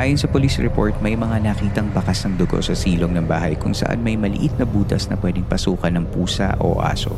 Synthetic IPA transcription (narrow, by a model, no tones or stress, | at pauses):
ʔaːjonsɐpolisɹɛpo̞̰ɹt̪̚mɐjmɐŋanɐkiːt̪ɐŋbɐkasnɐŋd̪ʊɡo̰sɐsiːloŋnɐŋbaːɦɐjkʊŋsɐ̰ʔa̰nmɐjmɐlɪ̰ʔit̪̚nɐbuːt̪ɐsnɐpwɛd̪ɪŋpɐsuːkɐnːɐŋpuːsɐ̰ʔo̰ʔa̰ːso̞̰